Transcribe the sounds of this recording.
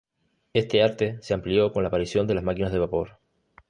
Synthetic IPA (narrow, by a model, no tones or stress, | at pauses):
e̞st̪e̞aɾt̪e̞se̞amplio̞ko̞nlaːpaɾisjo̞nd̪e̞lazmakinazðe̞βapo̞ɾ